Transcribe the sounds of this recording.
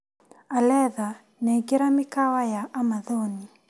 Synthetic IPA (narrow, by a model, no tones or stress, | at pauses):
alɛða | nɛɡiɾamikawajaʔamaðɔni